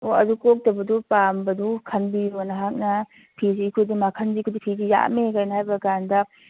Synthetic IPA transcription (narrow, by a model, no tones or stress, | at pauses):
oɐdukok̚tɐbɐdupambɐdukʰɐnbionɐɦak̚nɐ | pʰisiːkʰojdimakʰɐnzikʰodipʰizija̰mekajnɐhajbɐɡandɐ